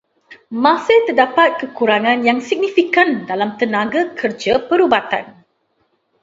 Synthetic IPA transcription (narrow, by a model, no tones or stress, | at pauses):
mãsɪt̪ərdapat̪̚kəkuɾaŋãnjaŋsik̚nifikandalamt̪ənãɡakʰərd͡ʒapəɾubat̪a̰n